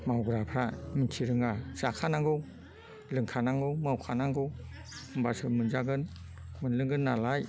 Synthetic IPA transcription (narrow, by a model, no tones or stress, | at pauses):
mawɡɾapʰɾamintʰiɾɯŋazakʰanaŋɡɯw | lɯŋkʰanaŋɡɯwmawkʰanaŋɡɯw | mbasɯmɯnzaɡɯn | mɯnlɯŋɡɯnːalaj